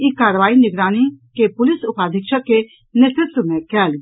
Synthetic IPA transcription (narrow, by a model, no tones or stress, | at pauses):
ikaːɾʋaːinɪɡɾaːnikepʊlɪsʊpaːd̪ʱɪkʃəkːe | nɪt̪ɪt̪ːəmẽkɛːl